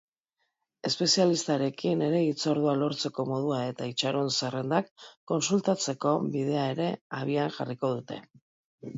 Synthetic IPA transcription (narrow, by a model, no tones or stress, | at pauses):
e̞spe̞sialist̪aɾe̞kine̞ɾe̞it͡so̞ɾð̞ualo̞ɾt͡se̞ko̞mo̞ð̞uae̞t̪ait͡ʃaɾo̞nsere̞nd̪akːo̞nsult̪at͡se̞ko̞βið̞e̞ae̞ɾe̞aβiaŋʝariko̞ð̞ut̪e̞̰